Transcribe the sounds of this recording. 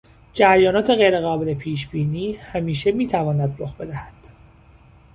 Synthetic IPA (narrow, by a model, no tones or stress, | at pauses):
d͡ʒæɾjɒːnɒːt̪ʰe̞ɣejɾe̞ɣɒːbelepʰiːʃbiːniːhæmiːʃe̞miːt̪ʰævɒːnæd̪ɾoxbe̞d̪æhæd̪̥